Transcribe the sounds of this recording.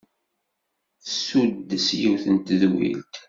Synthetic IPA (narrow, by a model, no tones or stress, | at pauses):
sud̪ːsjiwθənt̪ðwḭlt̪